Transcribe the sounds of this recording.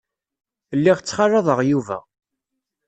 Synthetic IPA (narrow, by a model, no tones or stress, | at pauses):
lːiʁt͡sːχɑrˤːɑðˤəʁjuvæ̰